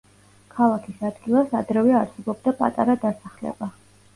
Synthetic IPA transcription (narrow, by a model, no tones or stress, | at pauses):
kʰalˠakʰisad̪ɡilˠasa̰d̪ɾɛvɛaɾsɛbɔb̚d̪apʼa̰t̪ʼaɾad̪asaχlɛ̰ba